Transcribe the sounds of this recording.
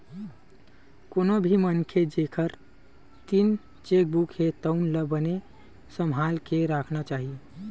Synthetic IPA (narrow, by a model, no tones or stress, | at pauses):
konobʱimənkʰed͡ʒekʰəɾ | t̪in | t͡ʃek̚bukhet̪əʊnləbəne | səmɦalkeɾakʰnat͡ʃaɦi